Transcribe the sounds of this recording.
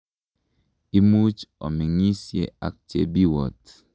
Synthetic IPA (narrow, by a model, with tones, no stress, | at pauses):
i˦mu˦t͡ʃɔ̰˨mi˨ŋi˦sjḛ˦˨a̰˨k̚t͡ʃḛ˨bi˦wɔ˨t